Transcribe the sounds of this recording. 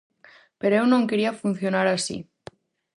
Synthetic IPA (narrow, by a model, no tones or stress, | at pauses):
peɾoewnõŋkeɾiafun̟θjo̞naɾasḭ